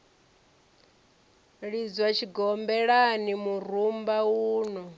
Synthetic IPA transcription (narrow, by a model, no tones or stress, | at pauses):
ɺid͡zwat͡ʃʰiɡɔmbɛɺanimuɾ̤umbauːnɔ